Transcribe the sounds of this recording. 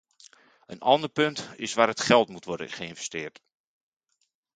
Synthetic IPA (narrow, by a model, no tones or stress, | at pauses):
ənɑndərpɵntɪsʋaːɾətχɛlˠtmutʋɔrdə̰χəɪnvɛstɪːrt